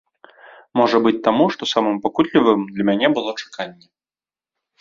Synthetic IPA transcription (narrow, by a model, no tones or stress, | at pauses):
mɔʐɐbɨt͡sʲt̪amuʂt̪ɔsamɨmpakut̪lʲivɨmd̪lʲɐmʲanʲɛbɨlˠɔt͡ʂḁkʰanʲːɛ